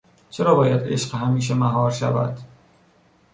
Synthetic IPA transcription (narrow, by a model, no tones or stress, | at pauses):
t͡ʃʰeɾɒːbɒːjæd̪e̞̰ʃɢhæmiːʃ̬emæɦɒːɾʃævæ̰d̪̥